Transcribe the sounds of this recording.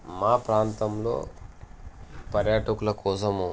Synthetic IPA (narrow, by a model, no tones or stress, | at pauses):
maːpɾaːnt̪ɐmlo̰ː | pɐɾjaːʈɐkulɐkɔːsɐmu